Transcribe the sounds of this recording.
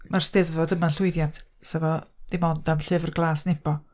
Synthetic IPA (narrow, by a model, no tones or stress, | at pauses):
mar̥stɛðvɔdəmaɬʊɨðjantʰsɛvɔd̥imɔndamɬɨvrɡlˠaːsnɪpʰɔ